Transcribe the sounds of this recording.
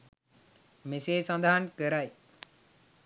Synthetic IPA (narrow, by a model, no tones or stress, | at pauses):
meseːsɐ̃nd̪aɦankəɾaj